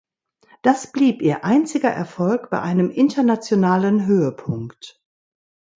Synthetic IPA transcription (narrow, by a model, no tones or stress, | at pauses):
d̥asb̥liːpʔiːɐʔaɪnt͡sɪɡɐʔɛɐfɔlkb̥aɪʔaɪnəmʔɪntɐnat͡sjonaːlənɦøːəpʰʊŋkt